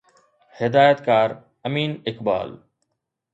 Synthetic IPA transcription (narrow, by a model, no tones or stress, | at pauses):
hɪd̪aːjət̪kaːɾ | ɐmiːnɪkba̰ːl